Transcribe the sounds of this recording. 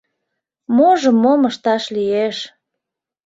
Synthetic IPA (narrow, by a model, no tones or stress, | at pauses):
moʒəmːoməʃt̪ɑʃlijeʃ